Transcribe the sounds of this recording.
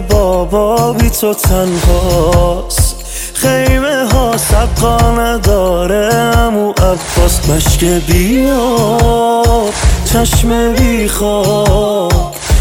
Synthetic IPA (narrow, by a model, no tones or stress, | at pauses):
bɔːbɔbit̪ʰot̪ʰænhɔ | s | χejmeɦɔːsæb̚qɔːnæd̪ɔːɾeæmuʔæfːɔsmæʃkebiɔ | t͡ʃʰæʃmebiχɔ